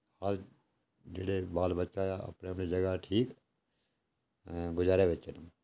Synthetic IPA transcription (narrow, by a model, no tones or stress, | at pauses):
həɾ | d͡ʒḛːɽebaːlbətːʃajaə̰pnemnid͡ʒəɡaʈʰiːk | ɡʊd͡ʒaːɾeʋet͡ʃən